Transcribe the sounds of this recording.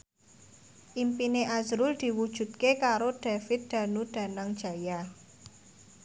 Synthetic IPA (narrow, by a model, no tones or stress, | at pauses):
ʔimpineʔazɾʊld̪̥i̤wud̥ʒ̥ṳt̪̚kekaɾod̥afɪt̪̚d̪̥ä̤nud̪̥a̤naŋd̥ʒ̥a̤ja